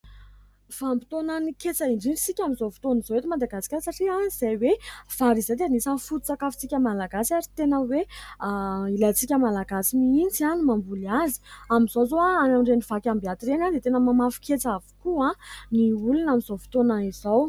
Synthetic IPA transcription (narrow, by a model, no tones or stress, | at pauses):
v̥ambit̪onanikʲet͡saiɳɖ͡ʐiɳɖ͡ʐit͡sikʲamizovi̥t̪onizoet̪imad̪aɡasi̥kʲasaʈ͡ʂiaiz̥ajwev̥aɾizet̪enisanfut̪u̥t͡sakafi̥t͡sikʲəmalaɡasaɾit̪enəwe | ilat͡sikʲəmalaɡasimiint͡sianimambulazi̥amizozoaanamɖ͡ʐeniv̥akʲambiat̪iɾenand̪et̪enəmamafi̥kʲet͡savu̥kuãniulunamizovi̥t̪onaiz̥aw